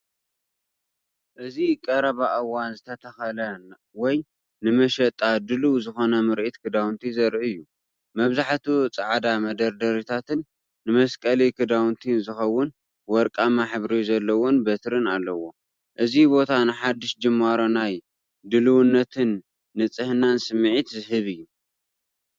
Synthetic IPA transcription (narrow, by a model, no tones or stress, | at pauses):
ʔɨzikʼɐɾɐβaʔawːanzɨt̪ʰɐt̪ʰɐxɐlɐ | wɔj | nɨmɐʃɐt̪ʼːad̪ɨluwzɨxo̞nɐmɨɾʔit̪kʰɨd̪awnt̪ʰizɐɾʔiɨjːu | mɐβzaħt̪ʰut͡sʼaʕd̪amɐd̪ɐɾd̪ɐɾit̪ʰat̪ɨnː | ɨmɐskʼɐlikʰɨd̪awnt̪ʰizɨxɐwːʊn | wɔɾkʼamaħɨβɾizɐlːɐwonbɐt̪ɾɨnalːɐwo̞ | ʔɨzibo̞t̪ʰanɨħad̪ːɨʃd͡ʒɨmːaɾonaj | d̪ɨluwnːɐt̪ʰɨnː | ɨt͡sʼɨhnansɨmːʕit̪zɨɦɨβɨjːu